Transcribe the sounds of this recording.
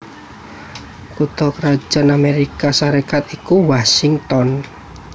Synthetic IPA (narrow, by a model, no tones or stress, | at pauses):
kut̪ɔkəɾḁd͡ʒ̥a̤nameɾikasaɾekat̪ikuwasiŋt̪ɔn